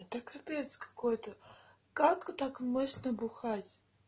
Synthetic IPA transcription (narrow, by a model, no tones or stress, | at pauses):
t̪akɐpʲejt̪skɐ̥kojt̪ə | kakːt̪akmoɕnəbʊxatʲ